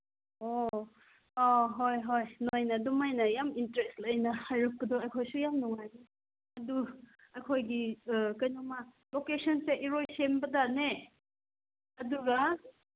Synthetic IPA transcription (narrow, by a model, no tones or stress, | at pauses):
o | oɦojɦojnojnɐdumajnɐjamintɾestɐjnɐhajɾɐk̚ɡɯdɔɐjkʰojsujamnɔŋajni | ɐdu | ɐjkʰojɡikɐjnɔmɐ | lokesʰɔnseʔiɾojsembɐdane | ɐduɡɐ